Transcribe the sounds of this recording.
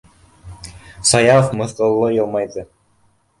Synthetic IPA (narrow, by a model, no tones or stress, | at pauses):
sɑjɑfmɤ̆θq̪ɤ̆lˠːɤjɤlˠmɑjðɤ